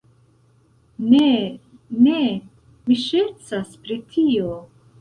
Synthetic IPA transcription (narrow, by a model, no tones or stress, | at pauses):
nene | miʃet͡saspɾitʰio